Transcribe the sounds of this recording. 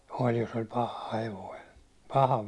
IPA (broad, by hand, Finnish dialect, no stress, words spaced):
olʲ jos olʲ pɑhɑ heʋoi pɑhɑ